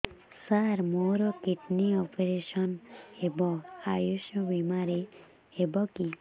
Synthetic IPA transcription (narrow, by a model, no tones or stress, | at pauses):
saɾmoɾɔkiʈniɔpeɾeʃɔnebɔajuʃɔbimaɾe | ebɔki